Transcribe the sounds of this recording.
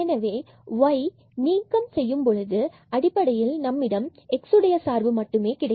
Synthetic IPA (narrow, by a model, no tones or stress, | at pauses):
ɛnɐʋeː | ʋɐɪ | niːŋkɐmsɛjːɯmpɔɻɯðɯ | ɐɽɪpːɐɽɐjɪlnɐmːɪɽɐmɛksɯɽɐjɐsaːɾʋɯmɐʈːɯmeːkɪɽɐ